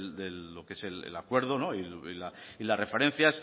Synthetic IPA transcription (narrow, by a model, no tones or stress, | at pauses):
ld̪elːo̞keese̞lḛlakwe̞ɾð̞ono̞ililailare̞fe̞ɾẽ̞n̟θjas